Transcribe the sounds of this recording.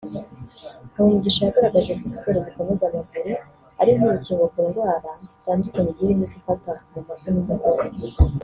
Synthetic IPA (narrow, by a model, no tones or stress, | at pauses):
uwumuɡiʃojaɡaɾaɡaʒekizikoɾeziko̞me̞zamavuɾi | aɾiɦoɾuciːŋɡokuɾɡwaːɾazitaːndukaniɟihemisifatamumakunidakoɾe